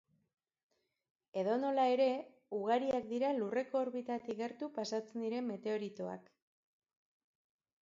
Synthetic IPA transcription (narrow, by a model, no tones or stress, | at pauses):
e̞ðo̞no̞lae̞ɾe̞ | uɣ̞aɾiakd̪iɾalure̞ko̞ːɾβit̪at̪iɣe̞ɾt̪upasat͡send̪iɾe̞mːe̞t̪e̞o̞ɾit̪o̞a̰k